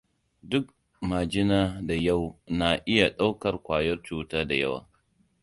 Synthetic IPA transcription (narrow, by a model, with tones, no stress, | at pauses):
dʊ˦k̚ | ma˨d͡ʒɪ˦naː˦da˨ja˦˨wna˦ʔɪ˦ja˨ɗa˦wkɐ˨rkʷaː˨jɔ˦rt͡ʃuː˦taː˦da˨jɐ̰˦wa̰ː˨